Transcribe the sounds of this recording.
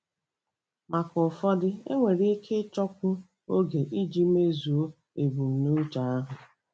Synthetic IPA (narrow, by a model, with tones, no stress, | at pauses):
ma˨kʊ˨fɔ˦dɪ˦ḛ˦ŋʷe˨ɾi˦kʰe˦t͡ʃɔ˦kʷʊ˦ | o˦ɡe˨ʔi˦d͡ʒi˦me˦zu˨o˦ | e˨bu˨n̩˨nu˦ta˨a˦ɦʊ˨